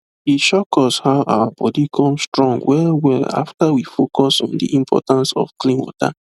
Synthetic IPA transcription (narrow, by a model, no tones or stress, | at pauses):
iʃɔkɔshaʊʔa̰wabɔdikʰɔ̃mstɹɔ̃ŋɡwɛwɛa̰ftawifokɔsɔ̰̃ndḭʔĩmpʰɔ̰tãnsɔ̰fklĩnwɔ̰ta̰